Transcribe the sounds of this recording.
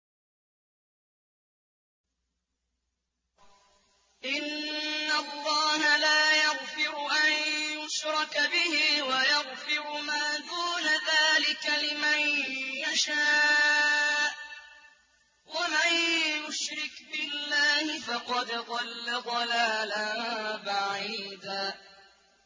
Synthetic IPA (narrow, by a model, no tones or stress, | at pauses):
ʔɪnːalˤːɑːhalaːjaɣfɪɾʊʔanjʊʃɾˤɑkbɪhiːwajaɣfɪɾʊmaːd̪uːnaðaːlɪkalɪmanjaʃaː | ʔ | wamanjʊʃɾɪkbɪlːaːhɪfɑqɑd̪d̪ˤɑlːad̪ˤɑlaːlabaʕiiːd̪aː